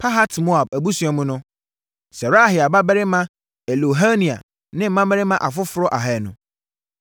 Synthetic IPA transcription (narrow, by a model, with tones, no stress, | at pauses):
pʰa˦ɦa˦tmo˦a˨bæ˨bu˦sũ˨˦a˨mʊ̃˦nʊ̃˦ | sɛ˨ɾa˦˨ɦɪ˨a˨ba˦bɛ˦ɾɪ˦mã˦ | ɛ˨lo˨ɦa˦nĩ˨a̰˨ | nɪ̃˦m̩˦mã˦bɛ˦ɾɪ˦mã˦ʔa˨fʊ˦fʊ˦ɾɔ˦ʔa˨ɦɛ˦˨nʊ̃˨